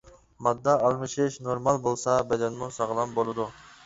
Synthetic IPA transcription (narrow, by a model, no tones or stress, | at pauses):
mɑd̪ːɑːlˠmɨʃɪʃnoɾmɑlˠbolˠsɑbɛd̪ɛnmusɑʁlˠɑmbolˠɨd̪u